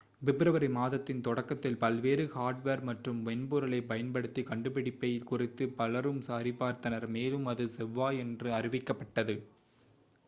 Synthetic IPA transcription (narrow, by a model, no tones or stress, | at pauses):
ʋɪbɪɾɐʋɐɾɐɪmaːðɐt̪ːɪnt̪ɔɽɐkːɐt̪ːɪlpɐlʋeːɾɯhaːɾɖʋeːɾmɐʈrɯmʋɛnbuɾɐlɐɪpɐjɐnpɐɽɯt̪ːikɐɳɖɯpɪɽɪpːɐjɪlkʊrɪt̪ːɯpɐlɐɾɯmsaːɾɪpːaːɾt̪ɐnɐɾmeːlɯmɐðɯsɛʋːaːɛndrɯɐrɪʋɪkːɐpːɐʈːɐðɯ